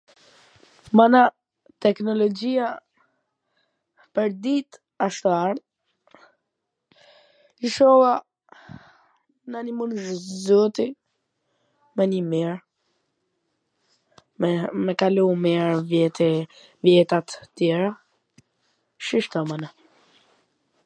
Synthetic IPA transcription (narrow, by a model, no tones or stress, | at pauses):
mana | t̪ɛknɔlɔd͡ʒia | pəɾd̪it̪ | aʃt̪ɔaɾ | iʃɔwa | nanimunʒzɔt̪i | mɛnimiɾ | mɛkalumɛɾvɛt̪ | vjɛt̪at̪t̪jɛɾa | ʃiʃt̪ɔmana